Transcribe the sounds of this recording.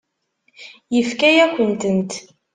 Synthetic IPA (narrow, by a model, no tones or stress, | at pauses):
jəfkæjæçʷənt̪ənt̪